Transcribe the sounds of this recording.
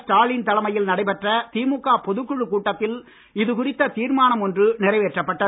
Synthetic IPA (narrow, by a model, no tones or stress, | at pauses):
sʈaːlɪnt̪ɐlɐmɐjɪlnɐɽɐɪpɛʈrɐt̪iːmukːaːpɔðɯkːɯɻɯkuːʈːɐt̪ːɪl | ɪðɯkʊrɪt̪ːɐt̪iːɾmaːnɐmɔndrɯnɪrɐɪʋeːʈrɐpːɐʈːɐ